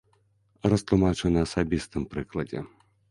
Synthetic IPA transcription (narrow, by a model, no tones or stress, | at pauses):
rɐst̪lˠumat͡ʂɛnɨɐsabʲist̪ɨmpɾɨklˠɐd͡zʲɛ̰